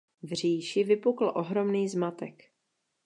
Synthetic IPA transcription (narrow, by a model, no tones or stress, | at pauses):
vr̝iːʃɪvɪpukl̩ʔoɦɾo̞mniːzmat̪ɛk